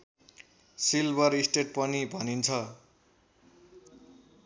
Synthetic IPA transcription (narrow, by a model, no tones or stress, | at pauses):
silbʌɾisʈeʈ̚pʌnibʱʌnint͡sʰʌ